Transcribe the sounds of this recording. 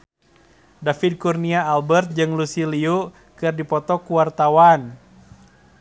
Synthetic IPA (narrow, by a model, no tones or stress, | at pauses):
dafid̚kurniaːlbɛrt̪̚d͡ʒɨŋlusiliu | kɨrdipɔt̪ɔkuwart̪awan